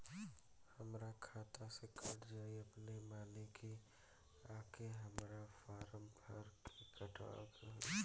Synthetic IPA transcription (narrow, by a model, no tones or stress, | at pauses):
həmɾakʰaːt̪asekʰɐɽd͡ʒaːiəpnemaːnekʰi | aːkʰeɦəmɾafaːɾəmbʱəɾkʰikəʈʰʋa̰ːteɦɛ